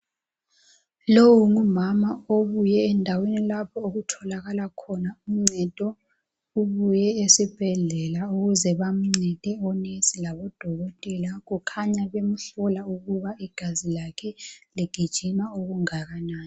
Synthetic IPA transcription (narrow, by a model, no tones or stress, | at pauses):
lowuŋumamaoβujɛːndʱawenilapʰɔoɣutʰɔlaɣalakʰɔnaum̩ŋ͡ǀɛd̥ʼʱɔ | uβujɛesib̥ʱɛɮɛlauɣuzɛβam̩ŋ͡ǀɛd̥ʼʱɛɔnesilaβɔd̥ʱɔɣɔtʼɛlaɣukʰaɲaβemuɬɔlauɣuβaiɡ̥ʱazilakʰɛliɡ̥ʱid̥ʒ̥ʱinaoɣuŋaɣanaːni